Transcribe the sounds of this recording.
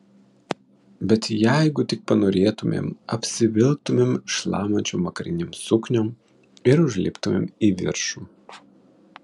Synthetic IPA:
bʲɛt̪jæɪɡʊt̪ʲɪk̚pɐnoːɾʲeːt̪ʊmʲḛːmɐpʲsʲɪʋʲɪlˠk̚t̪ʊmʲeːmʃlˠɑ̰ːmɐnʲt͡ʃʲoːmʋɐkɐɾʲɪnʲeːmsʊknʲom | ɪɾʊʒʲlʲɪ̰ːpt̪ʊmʲḛːmiːʋʲɪ̰ɾʃuː

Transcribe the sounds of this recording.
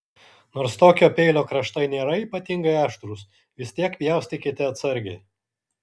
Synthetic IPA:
noːɾst̪oːkʲoːpʲɛɪlʲoːkɾɐʃt̪ɐɪnʲeːɾɐiːpɐt̪ʲɪŋɡɐɪæːʃt̪ɾuːs | ʋʲɪsʲt̪ʲiɛkpʲijɛˑʊst̪ʲɪkʲɪt̪ʲɪɐt̪sɐɾʲɡʲɛ̰ɪ

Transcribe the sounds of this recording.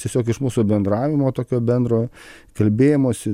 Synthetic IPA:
t̪ʲiɛsʲoːkɪʃmuːsuːbʲɛnd̪ɾɑːʋʲɪmoːt̪oːkʲoːbʲɛnd̪ɾoː | kɐlʲbʲeːjɪmoːsʲɪ

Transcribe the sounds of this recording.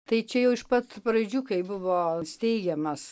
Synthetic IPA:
t̪ɐɪt͡ʃʲɛjɛʊɪʃpɐt̪pɾɐd͡ʒʲuːkɐɪbʊʋoːsʲt̪ʲɛɪɡʲɛmɐs

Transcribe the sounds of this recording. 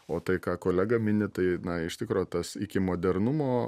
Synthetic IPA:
oːt̪ɐɪkɑːkoːlʲæːɡɐmʲɪnʲɪt̪ɐɪnɐɪʃt̪ʲɪkɾoːjt̪ɐsɪkʲɪmoːd̪ʲɛrnʊmoː

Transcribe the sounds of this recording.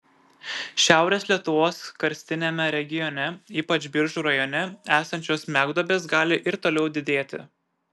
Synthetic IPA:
ʃʲæˑʊɾʲeːsʲlʲiɛt̪ʊʋoːskɐɾʲsʲt̪ʲɪnʲemʲɛɾʲɛɡʲɪjɔnʲɛiːpɐt͡ʃʲbʲɪɾʒuːɾɐjɔnʲɛæːsɐnʲt͡ʃʲoːsmʲæːɡd̪ɔːbʲeːsɡɑːlʲɪʔɪɾt̪oːlʲɛʊd̪ʲɪd̪ʲeːt̪ʲɪ̰

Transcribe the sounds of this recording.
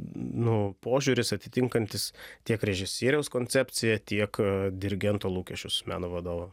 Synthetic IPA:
nʊpoːʒʲʊɾʲɪsɐt̪ʲɪt̪ʲɪŋkɐnʲt̪ʲɪst̪ʲiɛkɾʲɛʒʲɪsʲiːɾʲɛʊskoːnʲt̪sʲæp̪ʲsʲɪjɛt̪ʲiɛkd̪ʲɪɾʲɪɡʲɛnt̪oːlˠuːkʲɛʃʲt͡ʃʲʊsmʲæ̰ːnoːʋɐd̪oːʋɐ

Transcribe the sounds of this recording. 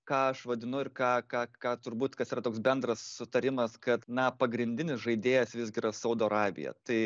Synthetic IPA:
kɑːɐʃʋɐd̪ʲɪnʊɪɾkɑːkɑːkɑːt̪ʊɾbuːt̪kɐsiːɾɐt̪oːksbʲɛnd̪ɾɐssʊt̪ɐɾʲɪmɐskɐt̪nɐpɐɡɾʲɪnʲd̪ʲɪnʲɪsʒɐɪd̪ʲeːjɛsʋʲɪzʲɡʲɪɾɐsɐʊd̪oːɐɾɑːbʲɪ̰jɛ̰t̪ɐɪ

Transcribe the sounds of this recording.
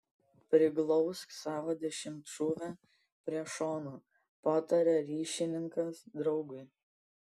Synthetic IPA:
pʲɾʲɪɡlˠɔʊsksɑːʋoːd̪ʲɛʃʲɪmt̪ʃuːʋʲɛ | pʲɾʲiɛʃoːnu | pɑːt̪ɐɾʲɛɾʲiːʃʲɪnʲɪŋkɐsd̪ɾɒʊɡʊɪ

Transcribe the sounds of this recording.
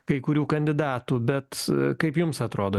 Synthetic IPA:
kɐɪkʊɾʲuːkɐnʲd̪ʲɪd̪ɑːt̪uːbʲɛt̪kɐɪpjʊmsɐt̪ɾoːd̪oː

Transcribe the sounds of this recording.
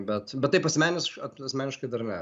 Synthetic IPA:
bʲɛt̪bʲɛt̪t̪ːɐɪpɐsʲmʲæːnʲɪsɐɐsʲmʲæːnʲɪʃkɐɪd̪ɐrnʲɛ

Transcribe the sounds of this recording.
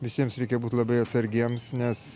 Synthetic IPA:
ʋʲɪsʲiɛmsɾʲɛɪkʲɛbuːt̪ʲlˠɐbɐɪɐt̪sɐɾʲɡʲiɛmsnʲɛs

